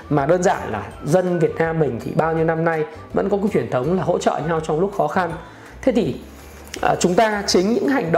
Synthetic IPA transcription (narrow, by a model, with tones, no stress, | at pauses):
maː˨˩ɗəː˧nza̰ː˧˨nlaː˨˩zə˧nvi˨˩ət̚naː˧mːï˨˩ŋ̟t̪ʰḭ˨˩ɓaː˧wɲi˧əwna˧mna˧j | və̰˧˥nkɔ˨˦kːt͡ɕwi˧˩ənt̪ʰə˨˦wŋ͡mlaː˨˩ɦo̰˧˥t͡ɕə̰ː˧˨ɲa˧wt͡ɕɔ˧wŋ͡mlʊ˦˥k͡p̚xɔ˨˦xa˧n | t̪ʰe˨˦t̪ʰi˨˩ | ʔəː˨˩t͡ɕʊ˨˦ŋ͡mt̪aː˧t͡ɕï˨˦ŋ̟ɲɨ̰˧˥ŋɦa˨˩jŋ̟ɗə̰˧˨